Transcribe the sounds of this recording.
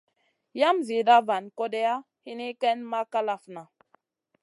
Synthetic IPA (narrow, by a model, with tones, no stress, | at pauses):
ja˦mzi˨da˦va˨nko˦de˦ja˦ | hi˦ni˦kɛ˦nma˦ka˦la˦fna˨